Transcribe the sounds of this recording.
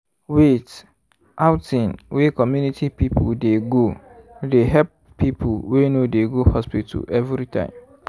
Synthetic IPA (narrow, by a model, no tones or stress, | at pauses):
wet | ʔaʊtĩnwekʰɔmjũnitʰipipʰudeɡo | deɦɛp | pʰːipʰulwenodeɡohɔspitʰṵɛvɾitʰã̰ɪ̃m